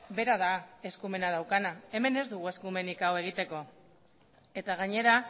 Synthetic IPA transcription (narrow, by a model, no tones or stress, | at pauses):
be̞ɾað̞ae̞skume̞nað̞awkanae̞me̞ne̞zd̪uɣ̞ue̞skume̞nikawe̞ɣ̞it̪e̞ko̞ | e̞t̪aɣ̞aɲe̞ɾa